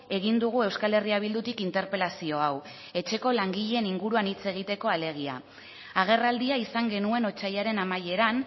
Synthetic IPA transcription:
e̞ɣ̞ind̪uɣ̞ue̞wskale̞riaβ̞ild̪ut̪ikint̪e̞ɾpe̞lasio̞aw | e̞t͡ʃe̞ko̞laŋɡiʎe̞niŋɡuɾuanit͡se̞ɣ̞it̪e̞ko̞ale̞ɣ̞ia̰ | aɣ̞e̞rald̪iaisaŋɡe̞nue̞no̞t͡ʃajaɾe̞namaje̞ɾan

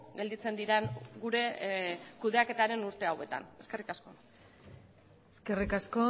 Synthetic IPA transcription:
ɡe̞ld̪it͡se̞nd̪iɾenɡuɾe̞kuð̞e̞ake̞t̪aɾe̞nuɾt̪e̞awe̞t̪a̰ne̞ske̞rikasko̞ | eske̞rikasko

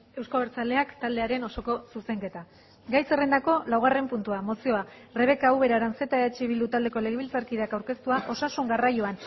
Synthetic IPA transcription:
e̞wskoβeɾt͡sald̪e̞akt̪ald̪e̞aɾe̞no̞so̞ko̞suse̞ŋke̞t̪a | ɡajse̞rend̪ako̞lawɣare̞mpunt̪uamo̞sio̞are̞β̞e̞kauβe̞ɾaɾanse̞t̪aeat͡ʃiβild̪ut̪ald̪e̞ko̞le̞ɣ̞eβilt͡saɾkiðeakawɾke̞st̪uaʔo̞sasuŋɡarajoan

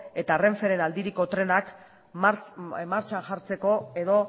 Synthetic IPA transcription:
e̞t̪are̞ɱfe̞ɾe̞nald̪iɾiko̞t̪ɾe̞nak | maɾt͡ʃaʝaɾt͡se̞ko̞e̞ðo̞

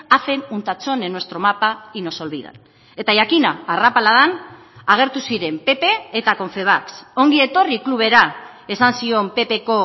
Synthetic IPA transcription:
afe̞nunt̪at͡so̞nenwe̞st̪ɾo̞mapaino̞so̞lβiða̰n | e̞t̪aʝakinaːrapalaðan | aɣ̞e̞ɾt̪usiɾe̞mpe̞pe̞ːt̪ako̞ɱfe̞β̞akso̞ŋɡie̞t̪o̞rikluβ̞e̞ɾa | e̞sansio̞mpe̞pe̞ko̞

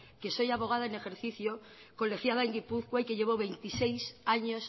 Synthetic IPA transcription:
keso̞jaβ̞o̞ɣ̞aðaene̞xe̞ɾθiθjo | ko̞lexjaðaeŋɡipuθkwaike̞ʎeβ̞oβe̞jnt̪isejsaɲos

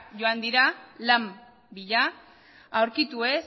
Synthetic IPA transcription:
ʝo̞and̪iɾalam | biʎa | awɾkit̪ue̞s

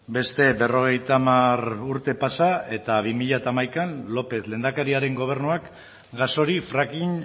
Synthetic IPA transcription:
be̞st̪e̞be̞ro̞ɣ̞e̞jt̪amaruɾt̪e̞pasae̞t̪aβimiʎat̪amajkanlo̞pe̞θle̞ːnd̪akeɾiaɾe̞ŋɡo̞β̞e̞ɾnuak | ɡaso̞ɾifɾakin

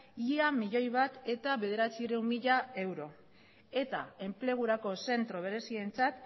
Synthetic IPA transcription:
iamiʎo̞jβat̪e̞t̪aβe̞ð̞e̞ɾat͡siɾewmmiʎae̞wɾo̞ | e̞t̪a̰e̞mple̞ɣ̞uɾako̞se̞nt̪ɾo̞β̞e̞ɾe̞sie̞nt͡sat̪

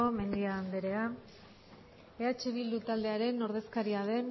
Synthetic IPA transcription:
ome̞nd̪iaːnd̪e̞ɾe̞a | eat͡ʃeβild̪ut̪ald̪e̞aɾe̞no̞ɾðe̞skaɾiað̞e̞n

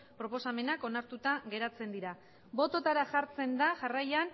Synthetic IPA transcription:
pɾo̞po̞same̞nako̞naɾt̪ut̪aɣe̞ɾat͡se̞nd̪iɾa | bo̞t̪o̞t̪aɾaʝaɾt͡se̞nd̪aʝarajan

